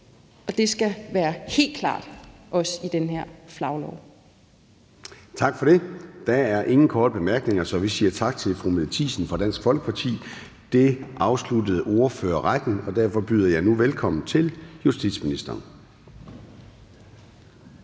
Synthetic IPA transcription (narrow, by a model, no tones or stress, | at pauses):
ɒ̽d̥e̝sɡ̥æʋæːɐhe̝̰ːld̥kʰlɑ̰̈ːd̥ʔɒ̽sid̥enheɐ̰flɑ̈ʊlɒ̰ʊ | t͡sʰɑ̈ɡ̥fɒ̽ɾ̥e̝d̥ææɐʔe̝ŋn̩kʰɒːd̥əb̥e̝mæɐɡ̥ne̝ŋɐsɒ̽ʋisiːɐt͡sʰɑ̈ɡ̥t͡sʰe̝lfʁumeðˠt͡sʰḭːsn̩fʁɑ̈d̥æn̰sɡ̥fɒ̽lɡ̥ə̥pʰɑ̈t͡sʰḭː | d̥e̝ʔɑ̈ʊslud̥əð̞̩ˠo̝ːɐfø̰ːɐʁad̥n̩ɒ̽d̥æɐfɒ̽b̥yːðˠɐjɑ̈ɪnuʋelkʰɒ̽mn̩t͡sʰe̝ljusd̥id̥sminisd̥ɐːn